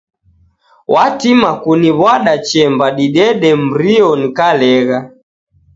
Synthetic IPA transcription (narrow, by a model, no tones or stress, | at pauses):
wʔatimakuniβwaɗat͡ʃɛmbaɗiɗɛɗɛm̩ɾiɔnikalɛɣa